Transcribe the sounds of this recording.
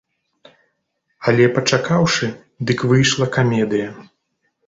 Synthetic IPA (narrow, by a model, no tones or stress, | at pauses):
ɐlʲɛpɐt͡ʂakawʂɨ | d̪ɨkvɨjʂlˠɐkamʲɛd̪ɨjɐ